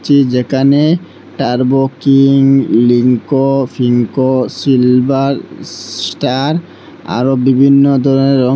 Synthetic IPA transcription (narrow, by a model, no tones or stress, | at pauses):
t͡ʃʰid͡ʑekʰane | ʈaɾbokiŋliŋkofʰiŋkosilbaɾsʈaɾ | a̰ɾobibʱinːod̪ʱɔɾɔneɾɔ